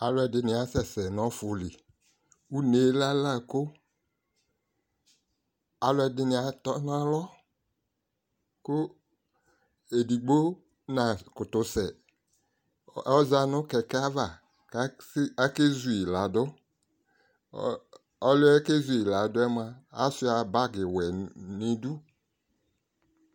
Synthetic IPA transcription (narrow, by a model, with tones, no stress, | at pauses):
a˨lɔ˦ɛ˨dɪ˦nɪ˨˦a˨˦sɛ˨sɛ˨nɔ˦fʊ˨li˨ | wu˦ne˨˦la˦la˦˨kʊ˦ | a˨˦lɔ˦ɛ˨dɪ˦nɪ˨a˨t̪ɔ˦n˦a˦lɔ˦ | kʊ˦ | e˨di˨ɡ͡bo˦ | nã˨kʊ˨t̪ʊ˦sɛ˨ | ɔ˦za˦nʊ̃˦kɛ˨kɛ˦a˦va˨ | ka˦ke˦zu˨i˨la˨dʊ˦ | ɔ˦lʊ˦ɛ˦ke˦zu˨i˨la˨dʊ˦ɛ˦m˦a˦a˦sʊ˦a˨ba˦ɡɪ˨wɛ˨nĩ˨du˦